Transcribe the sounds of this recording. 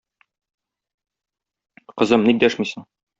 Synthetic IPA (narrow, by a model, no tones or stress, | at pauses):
qɤ̆zɤmnik̚d̪æʃmisɤɴ